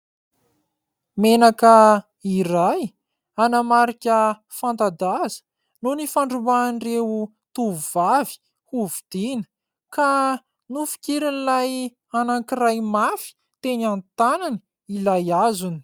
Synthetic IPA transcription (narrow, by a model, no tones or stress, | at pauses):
menakə | iraj | anamaɾikʲə | fant̪ad̪azə̥ | nonifaɳɖ͡ʐumanrewu | t̪uvavi̥ | huvud̪̥inə̥ | ka | nufi̥kʲiɾinlaj | anaŋkirajmafi̥ | t̪eniant̪anani̥ | ilajazuni̥